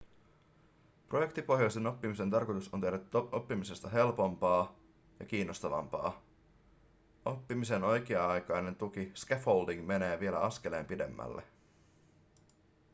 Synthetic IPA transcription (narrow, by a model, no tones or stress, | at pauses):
proje̞kt̪ipo̞ɦjojst̪e̞no̞pːimiset̪ɑrko̞jt̪usont̪edæt̪ːo̞pːimise̞st̪ɑɦe̞lpo̞mpɑː | jɑ̰k̟iːnːo̞st̪ɑʋɑ̰mpɑ̰ː | o̞pːimise̞no̞jk̟iɑɑjkɑjne̞nt̪ukiskefho̞ldiŋme̞ne̞ːʋielæ̰ɑske̞le̞̰ːmpide̞̰mːæ̰lːḛ